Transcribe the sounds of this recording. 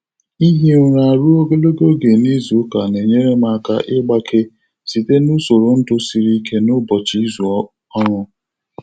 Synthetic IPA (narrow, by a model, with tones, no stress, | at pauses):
i˦ɦe˦ɾa˨ɾu˦o˦ɡo˦lo˦ɡo˦ɡe˨ni˦zu˨˦ka˨ne˨ɲe˦ɾe˦ma˨ka̰˦ʔɪ˦ɡ͡ba˦kʰe˦ | si˨te˦nʊ˦so˨ɾo˨n̩˦dʊ˦si˨ɾi˦kʰe˦nʊ˦bɔ˨t͡ʃi˨˦i˦zu˨˦ | ɔ˦ɾʊ˦